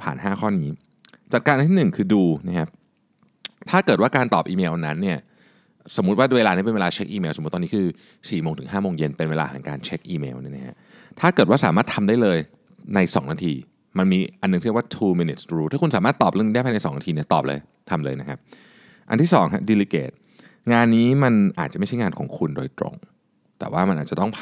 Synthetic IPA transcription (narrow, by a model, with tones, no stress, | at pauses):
pʰa̰ː˨˩nhaː˥˩kʰɔː˥˩niː˦˥ | t͡ɕa˨˩t̪̚kaː˧nʔa˧nʰiː˥˩ɯ˨˩ŋkʰɯː˧duː˧na˦˥kʰa˦˥p̚ | t̪ʰaː˥˩kɤː˨˩t̪waː˥˩kaː˧nt̪ɔː˨˩p̚ʔiː˧meː˧wna˦˥nːi˥˩ɐ | so˩˦mu˦t̪̚waː˥˩weː˧laː˧ni˦˥pe˧nweː˧laː˧t͡ɕʰe˦˥k̚ʔiː˧meː˧wso˨˩˦t̪ːɔː˧ni˦˥kʰɯː˧ | siː˨˩moː˧ŋt̪ʰɯ˩˦ŋɦaː˥˩moː˧ŋje˧npe˧nweː˧la̰ː˧ha˩˦ŋka̰ː˧nt͡ɕʰe˦˥k̚ʔiː˧mḛː˧wni˥˩na˦kʰa̰˦˥ | t̪ʰaː˥˩kɤː˨˩t̪̚wa˥˩saː˩˦maː˥˩t̪ʰa˧mdaː˥˩jlɤː˧j | na˧jsɔː˩˦ŋnaː˧t̪ʰiː˧ | ma˧nmiː˧ʔa˧nːɯ˨˩ŋʰi˥˩waː˥˩t̪ʰuː˧mi˧ni˨˩t̪̚sɾuː˦t̪ʰaː˥˩kʰu˧nsaː˨˦maː˥˩t̪ːɔː˨˩p̚lɯ˥˨ni˦˥dpʰa˧na˧jsɔː˩˦ŋnaː˧t̪ʰiː˧ni˥˩ɐt̪ɔː˨˩p̚lɤ̰ː˧j | t̪ʰa˧mlɤː˧jna˦˥kʰa˦˥p̚ | ʔa˧t̪ʰiː˥˩sɔ̰ː˩˦ŋɦa˦˥di˧liː˧keː˨˩t̪̚ | ŋaː˧nːiː˦˥ma˧nʔa̰ː˨˩t͡ɕa˨˩ma˥˩a˥˩jŋaː˧nkʰɔ̰ː˩˦ŋkʰu˧ndoː˧jt̪ɾo̰˧ŋ | t̪ɛ̰ː˨˩waː˥˩ma˧nʔaː˨˩t͡ɕa˨˩t̪ɔ˥˩ŋpʰ